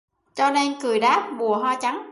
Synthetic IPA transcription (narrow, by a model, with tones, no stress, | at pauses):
t͡ɕɔ˧ne˧nkɨ˨˩jɗaː˦˥p̚ɓu˨˩əɦwaː˧t͡ɕa˨˦ŋ